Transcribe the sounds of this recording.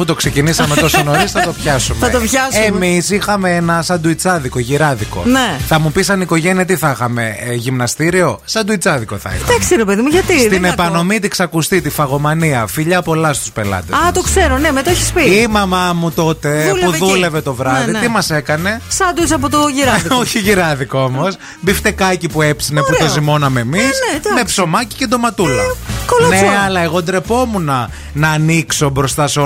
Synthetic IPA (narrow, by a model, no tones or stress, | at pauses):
put̪o̞kse̞cinisɐmeosinoɾisθɐt̪o̞pçɐsumeɐt̪opçɐsemmisixɐmeenɐsɐd̪uit͡sɐðiko̞ʝiɾɐðiko̞̰neθɐmupisɐniko̞ʝe̞niɐt̪iθɐxɐme̞̰ʝimnɐst̪iɾio̞sɐd̪uit͡sɐðiko̞θɐ̰ḭxɐɐksiɾepeðimuʝɐt̪ist̪inepɐno̞mit̪iksɐkust̪it̪ifɐɣo̞mɐniɐfiʎɐpo̞lɐst̪u̥spe̞lɐ̰t̪esɐmɐt̪okseɾonemet̪oeçi̥spiimɐmɐmut̪o̞t̪e̞puðule̞ve̞t̪o̞vɾɐððit̪imɐse̞kɐne̞sɐd̪usɐp̬ot̪oʝiɾɐoçiʝiɾɐðiko̞mo̞s | bift̪ekɐcipuepsineput̪ozimo̞nɐmeːmisme̞pso̞mɐci̥ced̪o̞mɐt̪ulɐkolnesɐlɐe̞ɣo̞d̪ɾe̞po̞munɐ | nɐːnikso̞bɾo̞st̪ɐso